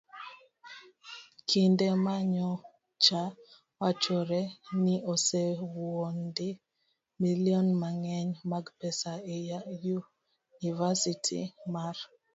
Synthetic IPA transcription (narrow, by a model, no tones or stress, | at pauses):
kʰindɛmaɲɔ | t͡ʃa | wat͡ʃɔɾɛniʔɔsewondɪ | miliɔnmaŋɛɲmaɡpɛsaejaju | nivasitʰḭmaɾ